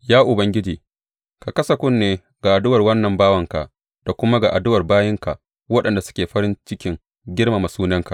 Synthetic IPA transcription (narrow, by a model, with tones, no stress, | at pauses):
jaː˦ʔʊ˨bɐ˦ŋɡʲɪ˦d͡ʒiː˨ | ka˨kɐ˦sɐ˨kʷʊ˦nːeː˨˦ | ɡ̥a˨ʔa˨dʊ˦wɐ˨rwɐ˦nːɐ˨mbaː˦wɐ˨ŋka˨ʔ | d̥a˨kʷʊ˦ma˦ɡa˨ʔa˨dʊ˦wɐ˨rbaː˦jɪ˦ŋka˨ʔ | wɐ˦ɗɐ˨nda˨sʊ̥˦kʲeː˨ɸɐ˦ɾɪ˦nt͡ʃɪ˦kʲɪ˦ŋ | ɡʲɪ˦rma˨ma˨suː˦nɐ˦ŋka˨ʔ